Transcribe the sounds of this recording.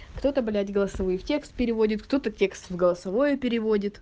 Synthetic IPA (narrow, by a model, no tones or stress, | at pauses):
kt̪o̞t̪əbɐlʲætʲɡəlˠəsɐvojftʲe̞kst̪̚pʲɪɾʲɪvo̞dʲɪt̪kt̪o̞t̪ətʲe̞kst̪vɡəlˠəsɐvo̞jʊpʲɪɾʲɪvo̞dʲɪt̪